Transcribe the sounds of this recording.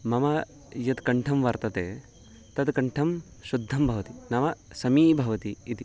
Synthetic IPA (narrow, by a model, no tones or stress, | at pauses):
mɐmɐ | jɐt̪kɐɳʈʰɐmʋɐɾt̪ɐt̪eː | t̪ɐt̪kɐɳʈʰɐm | ʃud̪ʱːɐmbʱɐʋɐt̪inɐmɐsɐmiːbʱɐʋɐt̪iːt̪i